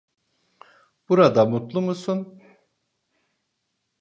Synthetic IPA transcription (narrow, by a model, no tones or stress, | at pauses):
b̥uɾad̪amut̪lˠumusun